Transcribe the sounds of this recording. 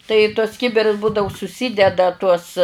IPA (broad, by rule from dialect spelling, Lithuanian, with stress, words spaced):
tɐɪ iː tuɔs ˈkʲɪbʲɪrʊs ˈbuːdɐʋʊ sʊˈsʲiːdʲɛdɐ tuɔs